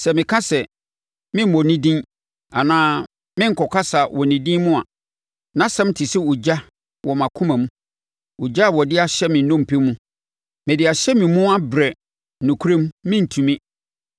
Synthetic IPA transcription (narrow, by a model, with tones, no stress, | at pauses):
sɛ˨mɪ̃˨kʰã˦sɛ˨ | mɪ̃˦m˨wɔ˨nĩ˦dĩ˦n | a˨nãː˦ | mɪ̃˦ŋ̩˨kʰɔ˨kʰa˦sa˨wɔ˨nĩ˨dĩ˦mũ˦a˨ | nã˦sɛ̃˦m˦tʰɪ˨sɪ˦wʊ˨d͡ʑa˦ | wʔɔ˨mã˨kʰʊ̃˦mã˨mũ˦ | u˨d͡ʑa˦˨wɔ˨dɪ˦a˨ɕɛ˦mɪ̃˨n˦nɔ̃˦m̩˨pʰe˦mũ˦ | mɪ̃˨dɪ˨a˨ɕɛ˦mɪ̃˨mũ˦a˦bɾɛ˨ | nũ˨kʰu˦ɾẽ˦mːɪ̃˦n̩˨tʰũ˨mĩ˦